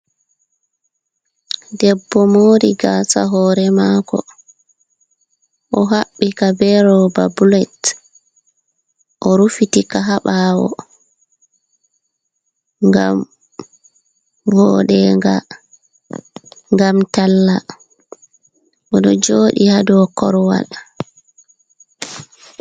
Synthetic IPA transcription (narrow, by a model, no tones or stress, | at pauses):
dɛbːɔmoːɾiɡaːsa̰ɦɔːɾɛmaːkɔ̰ | ʔɔɦaɓːikabɛɾɔba̰bulɛt | ʔɔɾufitikaɦaɓawɔ̰ | ŋɡam | vɔɗɛŋɡa̰ | ŋɡamtalːa | ʔɔɗɔd͡ʒoːɗihadɔkɔɾwa̰l